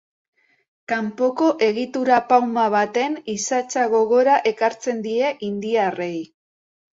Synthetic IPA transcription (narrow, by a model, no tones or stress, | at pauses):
kampo̞ko̞ʔe̞ɣit̪uɾapawmaβat̪e̞nisat͡saɣo̞ɣo̞ɾaʔe̞kaɾt͡se̞nd̪ie̞ʔind̪iare̞j